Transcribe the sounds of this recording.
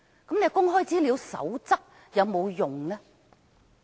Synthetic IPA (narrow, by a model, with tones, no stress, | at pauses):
kɐ˨˥mne˨˧jkʊ˥ŋɦɔː˥jt͡siː˥liː˨˧wsɐ̰˨˥wt͡sɐ˥k̚ | jɐ˨˧wmo˨˧wjʊ˨ŋːɐ˧